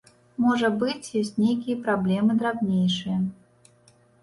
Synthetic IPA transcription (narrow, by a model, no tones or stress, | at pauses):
mɔʐɐbɨt͡sʲjɔsʲt͡sʲnʲejkʲijɐpɾablʲɛmɨd̪ɾabnʲejʂɨjɐ